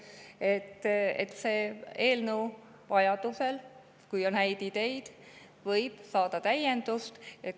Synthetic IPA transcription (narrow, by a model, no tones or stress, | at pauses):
e̞t̪ːḛt̪ːse̞ːeːlnəw | vɑjɑd̪̥use̞l | kujo̞nhæjd̪id̪̥e̞jd̪̥ | vɤ̞jb̥sɑːd̪̥ɑt̪æje̞nd̪̥ust̪e